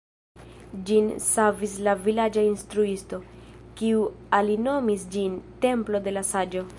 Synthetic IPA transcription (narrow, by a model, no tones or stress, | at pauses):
d͡ʒinsavis̬lavilad͡ʒainstɾuisto̞kiualino̞misd͡ʒinte̞mplo̞de̞lasad͡ʒo̞